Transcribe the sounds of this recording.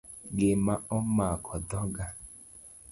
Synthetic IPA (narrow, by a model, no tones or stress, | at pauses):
ɡemaɔmakʰɔdɔɡa